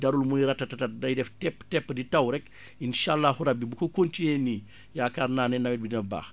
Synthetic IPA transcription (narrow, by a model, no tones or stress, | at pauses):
dɐɾulmujɾɐtːɐtɐtɐt̚nɐjdɛftɛpːtɛpːəditɐwɾɛk | inʃaːlːahuɾɐbːibukokontineni | jaːkarnaːnɛnɐwɛt̚binɐba̰ːx